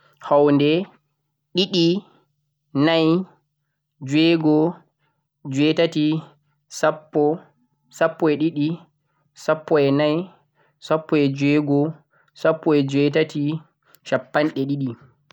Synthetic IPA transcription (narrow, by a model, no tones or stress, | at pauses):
hawndɛ | ɗiɗi | naj | d͡ʒwɛːɡɔ | d͡ʒwɛtati | sapːɔ | sapːɔɛɗiɗi | sapːɔɛnaj | sapːɔɛd͡ʒwɛːɡɔ | sapːɔɛd͡ʒwɛtati | ʃapːanɗɛɗiɗi